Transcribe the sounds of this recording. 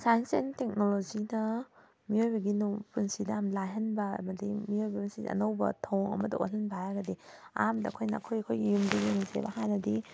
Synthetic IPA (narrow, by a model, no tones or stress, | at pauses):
sajnsentek̚nolod͡ʒinɐ | miojbɐɡinupunsidɐmlajɦɐnbɐɐ̰mɐdimiojbɐmnsid̰ɐ̰nɐwbɐ̰tʰowŋɐ̰mɐdɐ̰ʔo̰lɐnbajaɡɐdi | a̰mdɐɐkʰojnɐɐkʰojɐkʰojɡijumdɐɡeŋsḛbɐhɦajnɐdi